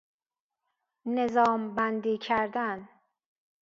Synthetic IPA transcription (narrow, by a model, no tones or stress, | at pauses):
ne̞zɒːmbænd̪iːcʰæɾd̪æn